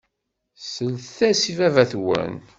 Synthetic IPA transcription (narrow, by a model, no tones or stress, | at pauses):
səlθθæsivævæθwə̰n